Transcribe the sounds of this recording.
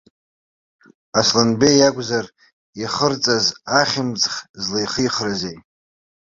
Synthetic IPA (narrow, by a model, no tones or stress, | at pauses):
aslanbejaɡʷʼzar | iχərt͡sʼazaχʲɪmd͡zχʲzlejχəjχrazej